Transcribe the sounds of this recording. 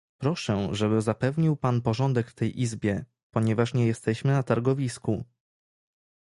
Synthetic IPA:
pɾɔʂɛʐɛbɘzapɛvɲiwpanpɔʐɔnd̪ɛkt̪ɛjʔizbʲjɛ | pɔɲɛvaʂɲɛjɛst̪ɛɕmɘnat̪aɾɡɔvʲisku

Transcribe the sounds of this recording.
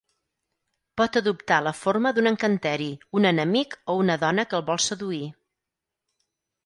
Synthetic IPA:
pɔt̪əðupt̪aləforməðunəŋkənt̪ɛɾiunənəmikounəðɔnəkəlˠβɔlˠsəðui

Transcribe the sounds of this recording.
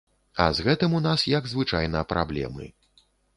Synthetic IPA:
ɐ̰zɣɛt̪ɨmunasjɐɡzvɨt͡ʂajnɐpɾʔa̰blʲɛ̰mɨ̰

